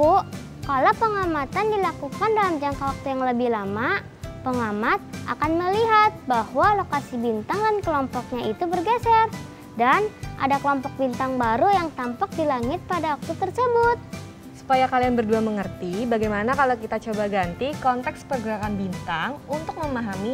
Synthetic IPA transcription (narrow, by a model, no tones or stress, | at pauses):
u | kalopəŋamat̪andilakukandalamd͡ʒaŋkawak̚t̪ujaŋləbɪhlama | pəŋamat̪̚ʔa̰kanməliɦat̪̚bahwalokasibint̪aŋdankəlɔmpɔk̚ɲait̪ubərɡɛsɛr | danʔa̰dakəlɔmpɔk̚bint̪aŋbaɾujaŋt̪ampɔk̚dilaŋɪt̪̚padawak̚t̪ut̪ərsəbʊt̪̚ | su̥pajakalianbərduaməŋərt̪ibaɡajmanakalawkit̪at͡ʃobaɡant̪ikɔnt̪ɛkspərɡəɾakanbint̪aŋunt̪ʊk̚məmaɦami